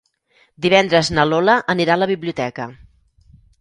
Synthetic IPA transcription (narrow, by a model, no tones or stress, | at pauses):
d̪iβɛnd̪ɾəznəloləʔəniɾaləβiβliut̪ɛkə